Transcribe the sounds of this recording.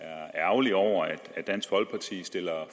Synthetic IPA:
æɐæɐʊliɒʊ̰ɐæd̥æd̥ːæn̰sɡ̥ʋɒ̽l̰ɡ̥̚pʰɑ̈t͡sʰḭːsd̥e̝lɐ

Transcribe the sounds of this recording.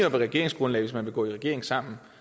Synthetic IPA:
ɒb̥eʁɛɡ̥e̝ɐ̰eŋsɡ̥ʁɔ̽nlɛ̰ɪʋe̝smænʋe̝ɡ̥ɔ̰̽ːiʁɛɡ̥e̝ɐ̰e̝ŋ̩sɑ̈m̰n̩

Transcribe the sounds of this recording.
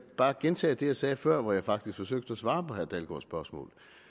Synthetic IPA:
b̥ɑ̈ːɡ̥ent͡sʰɛ̰ːd̥e̝jɑ̈ɪsɛːfɶɐ̰ʋɒjɑ̈ɪfɑ̈ɡ̥d̥isɡ̥fɒ̽søɡ̥̚d̥əɒsʋɑ̈ːpɒ̽hɦæɐd̥ælɡ̥ɒ̰sb̥ɶɐsmɔ̰̽ːl

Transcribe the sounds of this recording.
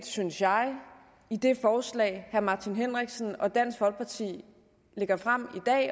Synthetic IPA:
d̥synsjɑ̈ɪ | id̥e̝fɒːslɛ̰ːɪhæɐmɑ̈t͡sʰinɦen̰ʁɛɡ̥sn̩ɒ̽d̥æn̰sɡ̥ʋɒ̽lɡ̥̚pʰɑ̈t͡sʰḭː | le̝ɡ̥ɐfʁam̰id̥ɛ̰ː

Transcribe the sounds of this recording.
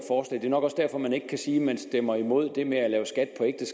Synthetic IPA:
fɒːslɛ̰ːd̥e̝ɐnɒ̽ɡ̥ɒ̽sd̥æɐ̰fɒ̽mæne̝ɡə̥kʰæsiːmænsd̥emɐimo̝ð̞̰ˠd̥e̝meælɛːʊsɡ̥æd̥̚pʰɒ̽eɡ̥d̥əs

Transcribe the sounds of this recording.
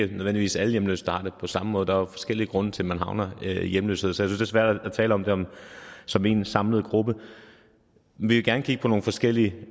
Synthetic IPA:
ənøðˠʋendliʋḭːsæləjemlø̰ːsd̥ɑ̈hɑ̈d̥epʰɒ̽sɑ̈məmɔ̽ːð̩ˠd̥ɑ̈fɒ̽sɡ̥el̰iəɡ̥ʁɔ̽nət͡sʰe̝lmænɦɑ̈ʊnɐjemlø̰ːsheðˠsˠjsyn̩sd̥e̝ɐsʋæɐ̰d̥ææt͡sʰɛ̰ːləɒ̽md̥e̝ɒ̽msɒ̽me̝nsɑ̈mləð̞ˠɡ̥ʁub̥ə | menʋiʋe̝ɡ̥æɐnəkʰiɡ̥əpʰɒ̽no̝ːn̩fɒ̽sɡ̥el̰iə

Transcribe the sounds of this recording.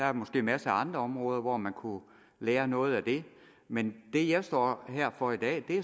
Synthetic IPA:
d̥ɑæɐmɒ̽sɡ̥e̝̰ːmæsəɑ̈nd̥ʁɐɒ̽mʁɔ̽ːð̞ˠɐʋɒmænkʰu | leːɐnɔ̽ːð̞̩ˠæd̥e̝ | mend̥e̝jɑ̈ɪsd̥ɒ̰ːɦeɐ̰fɒ̽id̥ɛ̰ːd̥e̝æ

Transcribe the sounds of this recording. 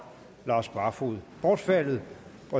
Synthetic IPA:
lɑ̈ːsb̥ɑ̈fuðˠb̥ɒːd̥fælð̩ˠb̥ɑ

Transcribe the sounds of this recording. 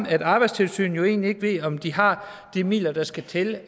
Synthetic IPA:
æd̥ɑ̈ːb̥ɑ̈ɪd̥st͡sʰe̝lsy̰ːn̩jo̝e̝̰ːnlie̝ɡ̥əʋe̝ð̰ɒ̽md̥iɦɑ̈ | d̥imḭːlɐd̥ɑ̈sɡ̥æt͡sʰel

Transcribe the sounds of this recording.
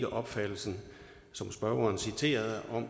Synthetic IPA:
ɡ̥əʔɒ̽b̥fæd̥l̩sn̩ | sɒ̽msb̥ɶɐɐːnsit͡sʰe̝̰ːɐð̞ˠɒ̽m

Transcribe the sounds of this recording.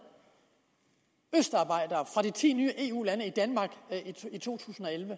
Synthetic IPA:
øsd̥ɑ̈ːb̥ɑ̈ɪ̰d̥ɐːfʁɑ̈ɾit͡sʰḭːnyːəʔe̝ːṵːlænəid̥ænmɑ̈ːɡ̥iit͡sʰo̝̰ːt͡sʰṵːsn̩ɒ̽elʋə

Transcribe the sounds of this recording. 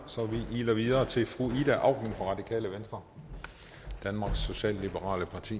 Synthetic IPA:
sɒ̽ʋiʔiːlɐʋiðˠɐːt͡sʰe̝lfʁuid̥æʔɑ̈ʊ̰ɡ̥n̩fʁɑʁɑ̈d̥ikʰɛ̰ːləʋensd̥ʁɐ | d̥ænmɑ̈ːɡ̥sːo̝ɕɛ̰ːllib̥əʁɑ̰̈ːləpʰɑ̈t͡sʰḭː

